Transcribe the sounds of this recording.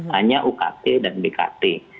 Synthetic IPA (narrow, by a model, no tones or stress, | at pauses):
haɲaʔuka̰t̪edanbeka̰t̪e